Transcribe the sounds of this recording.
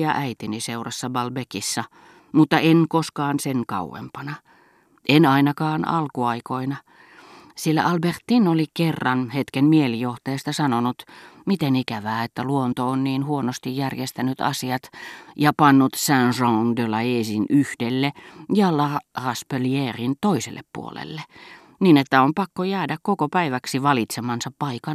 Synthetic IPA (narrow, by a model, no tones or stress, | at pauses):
ɑ̰ʔæit̪iniseurɑsːɑbɑlbekisːɑ | mut̪ːɑʔenkoskɑːnseŋkɑ̰ṵwḛmpɑnɑ | ʔenɑinɑkɑːnɑ̰lkuɑikoinɑ | silːæ̰ʔɑlbert̪ːinolikerːɑnhet̪kenmielijoht̪ɑjest̪ɑsɑnonut̪mit̪enikæʋæːet̪ːæluont̪oonniːnhuonost̪ijjærjest̪ænyt̪ɑ̰siɑt̪jɑpɑnːut̪sænsoŋdølɑeːsinyhdelːejɑlɑrɑspeljeːrint̪oisḛlːḛppṵo̰lḛlːe | niːnet̪ːæompɑkːojæːdækkokopæiʋæksiʋɑlit̪semɑnsɑppɑikɑn